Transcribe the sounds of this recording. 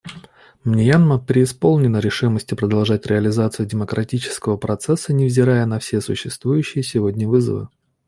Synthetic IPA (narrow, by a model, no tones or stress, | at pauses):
mnʲɪjanməpɾʲɪːspo̞lˠnʲɪnəɾʲɪʂɨməsʲtʲɪpɾəd̪ɐlˠʐatʲɾʲɪəlʲɪzat̪sɨjʊdʲɪməkɾʔɐtʲit͡ɕɪ̥skəvəpɾɐt̪sɛsːənʲɪvzʲɪɾajənɐfsʲesʊɕːɪst̪vujʉɕːɪjəsʲɪvodʲnʲəvɨzə̰vɨ̰